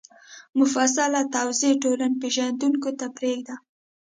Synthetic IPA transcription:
mʊfas̬alat̪awzeʈolanpeʒand̪uŋkot̪apɾeɡd̪a

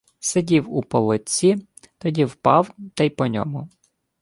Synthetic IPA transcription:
sedʲiwupɔlˠɪt͡sʲːi | t̪ɔdʲiwpɑwt̪ɐjpɔnʲɔ̰mʊ

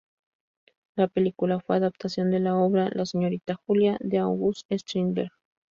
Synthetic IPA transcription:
lapelikulafweaðapt̪asjo̞nd̪elaoβɾalaseɲo̞ɾit̪axuljaðeawɣusest̪ɾimbeɾɣ

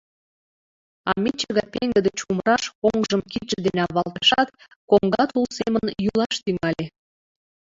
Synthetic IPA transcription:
ɑ̰mit͡ɕəɣɑpeŋɡəd̪ət͡ɕuməɾɑʃoŋʒəmkit̪ʒəd̪enɑβɑlˠt̪ɑʃɑt̪ | koŋɡɑt̪ulsemənjulɑʃt̪yŋɑle

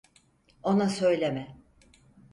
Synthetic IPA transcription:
o̞nasø̞jlʲemɛ

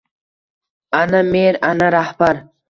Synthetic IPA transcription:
anameɾanaɾahbaɾ

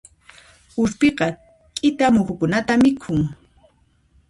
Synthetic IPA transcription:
ʊʃpeqɑ | kʼɪt̪amʊxʊkʊnat̪amɪkʰʊŋ

